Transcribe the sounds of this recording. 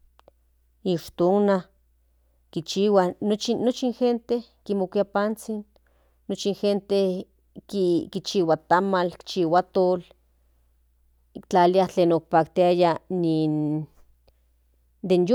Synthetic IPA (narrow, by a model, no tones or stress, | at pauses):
iʃt̪oŋna | kit͡ʃiwanot͡ʃiːot͡ʃinxent̪eh | kimokʷiapant͡sinː | ot͡ʃinxent̪eh | kikit͡ʃiwat̪amalki̥t͡ʃiwat̪ol | kt͡ɬaliaht͡ɬeːnok̚pak̚t̪iajanin | d̪enjo